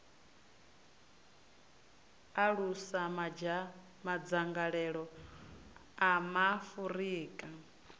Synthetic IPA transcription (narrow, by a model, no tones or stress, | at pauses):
aɺusa | mad͡zaŋɡaɺɛɺɔ | amafuɾiːkʼa